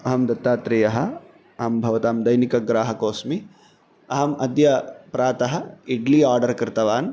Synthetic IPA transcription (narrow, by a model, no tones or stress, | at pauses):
ɐɦɐmd̪ɐt̪ːaːt̪ɾijɐɦɐ̆ | ɐɦɐmbʱɐʋɐt̪aːmd̪ɐjnikɐɡɾaːɦɐkoːsmi | ɐɦɐmɐd̪jɐpɾaːt̪ɐɦɐiɖliaːɾɖɐɾkɾɪt̪ɐʋaːn